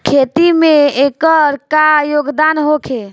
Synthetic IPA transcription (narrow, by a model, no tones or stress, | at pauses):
kʰet̪imeekəɾkajoɡd̪anɦokʰe